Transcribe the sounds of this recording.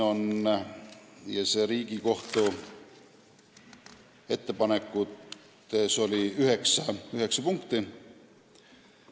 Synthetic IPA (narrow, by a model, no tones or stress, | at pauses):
o̞n | jɑse̞ɾiːɡ̥iko̞ht̪u | e̞t̪ːe̞pɑnekːˑut̪ | eso̞lʲiyɦe̞ksɑyɦe̞ksɑpuŋkt̪i